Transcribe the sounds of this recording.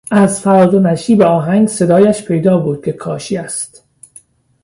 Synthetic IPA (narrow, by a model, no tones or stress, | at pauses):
æzfæɾɒːd̪onæʃiːbeɒːɦæŋɡse̞d̪ɒːjæʃpʰe̞jd̪ɒːbuːd̪̥̚kʲʰe̞kʰɒːʃiæst̪